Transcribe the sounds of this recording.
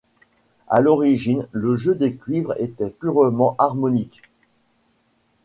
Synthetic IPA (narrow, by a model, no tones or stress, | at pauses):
a̰lɔʁiʒinləʒød̪ekʲɥivʁḛt̪ɛpyʁmɑ̃ʔaʁmɔnik